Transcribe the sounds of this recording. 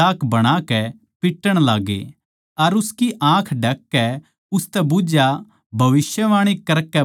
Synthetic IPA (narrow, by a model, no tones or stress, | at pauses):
aːkʰbɐɽ̃akɛ | pɪʈːəɽ̃laːɡḛ | ɐɾʊskiʔãːkʰɖʱɐkːɛ | ʊst̪ɛbʊd͡ʒja | bʱɐʋɪsjəʋãːɽ̃ikɐɾkɛ